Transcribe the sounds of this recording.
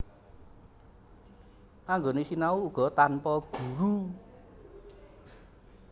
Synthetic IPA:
ʔaŋɡonesinauːɡ̥ɔ̤t̪anpɔɡ̥ṳɾu

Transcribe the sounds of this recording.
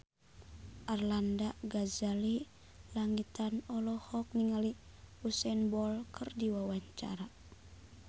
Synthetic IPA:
ʔarlandaɡazali | laŋit̪anɔlɔhɔk̚niŋali | usɛnbɔlkʰɨrdiwawaɲt͡ʃa̰ɾa

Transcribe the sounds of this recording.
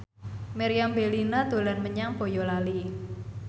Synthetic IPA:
meɾiambelinad̪̥o̤lanməɲaŋb̥o̤jɔlali

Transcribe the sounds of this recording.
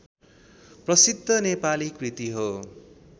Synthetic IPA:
prʌsid̪ʱːʌnepalikrit̪iɦo

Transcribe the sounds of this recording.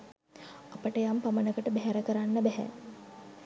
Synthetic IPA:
apəʈəjampamənəkəʈəbæɦæɾəkəɾanːəbæɦæ̰

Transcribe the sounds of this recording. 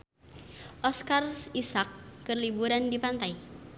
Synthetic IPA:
ʔɔskarisakːərlibuɾandipant̪ai

